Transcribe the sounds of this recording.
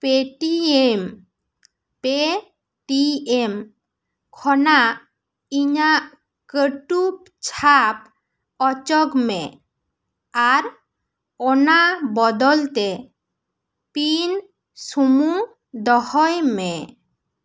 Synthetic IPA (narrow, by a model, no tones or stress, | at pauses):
peʈiem | pe | ʈiem | kʰɔnaʔ | iɲaʔ | kəʈup̚ | t͡ʃʰap | ɔt͡ʃɔɡmɛ | aɾ | ɔnabɔd̪ɔlt̪ɛ | pin | sumu | d̪ɔhɔjmɛ